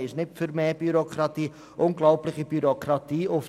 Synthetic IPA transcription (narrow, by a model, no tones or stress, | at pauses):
ɪʃnɪtfʏɾmeːb̥yɾokʰɾɑt̪iː | ʔʊnɡlɔʊplɪχəbyɾokɾɑt̪iːʊf